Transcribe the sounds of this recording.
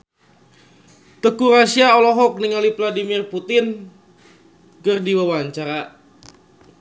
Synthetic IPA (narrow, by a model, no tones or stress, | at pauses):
t̪əkuɾasiaɔlɔɦɔk̚niŋalivladimirput̪ɪn | kərdiwawaɲt͡ʃaɾa